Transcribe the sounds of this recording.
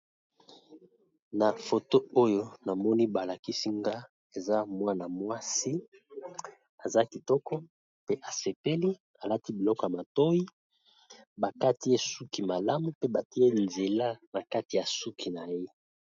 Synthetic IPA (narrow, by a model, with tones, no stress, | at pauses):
na˨fo˨to˦o˦jo˦na˨mɔ˦ni˦ba˨la˨ki˦si˦ŋɡa˦ | e˨za˦mwa˦na˨mwa˦si˦ | a˨za˦ki˨tɔ˦kɔ˦ | pe˦ʔa˨se˨pe˦li˦ | a˨la˦ti˦bi˨lɔ˦kɔ˨ja˨ma˨to˦ji˦ | ba˨ka˦ti˦e˦su˦ki˨ma˨la˦mu˨pe˦ba˨ti˦e˦nze˨la˦na˨ka˦ti˨ja˨su˦kʰi˨na˨je˦